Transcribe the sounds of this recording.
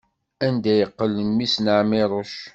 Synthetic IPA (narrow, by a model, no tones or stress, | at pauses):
ænd̪æjəqːəlːənːisnəʕmɪɾˤoʃ